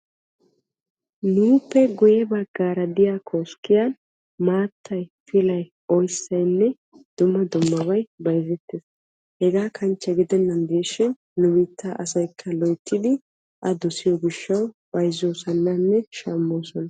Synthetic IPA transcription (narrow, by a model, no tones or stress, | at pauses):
nuːpːɛɡʊjɛbɐɡaːɾɐd̪ɪjakʰoːskːɪjan | maːt̪ʰːɐjfɪlɐj | ɔjsːɐjnːɛ | d̪̥ʊmːɐd̪ʊmːɐbɐjbɐjzɛt̪ːeːs | hɛɡaːkʰɐnt͡ʃːɐɡɪd̪ɛnːɐnd̪eːʃɪn | nʊmɪt̪ʰːaʔɐsɐjkʰːɐlɔjt̪ːɪd̪ɪ | ʔɐd̪ɔsɪjɔɡɪʃːɐwb̥ɐjzoːsɐnːɐnːɛʃaːmːoːsɔnɐ